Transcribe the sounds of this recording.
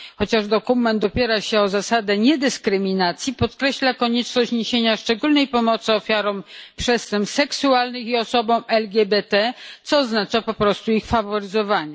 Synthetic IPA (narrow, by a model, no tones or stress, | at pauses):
xɔt͡ɕaʐd̪ɔkumɛnt̪ɔpʲjɛɾaɕɛɔzasad̪ɛɲɛd̪ɘskɾɘmʲinat̪sʲjipɔt̪kɾɛɕlakɔɲɛt͡ʂnɔɕt͡ɕɲeɕeɲaʂt͡ʂɛɡulnɛjpɔmɔt̪sɨɔfʲjaɾɔ̃w̃pʂɛst̪ɛmsɛksualnɘxiɔsɔbɔ̃w̃ʔɛlɡʲjɛbɛt̪ɛt̪sɔːznat͡ʂapɔpɾɔst̪uixfavɔɾɘzɔvaɲɛ